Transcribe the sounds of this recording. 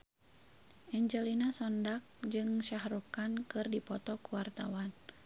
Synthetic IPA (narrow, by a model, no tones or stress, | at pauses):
ʔɛɲd͡ʒɛlinasɔndak̚d͡ʒɨŋʃahɾukankɨrdipɔt̪ɔkuwart̪awan